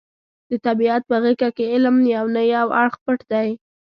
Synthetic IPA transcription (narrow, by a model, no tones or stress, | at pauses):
d̪ət̪abiat̪̚pəɣikakeɪlmnjawnəjawaɽxpəʈd̪aj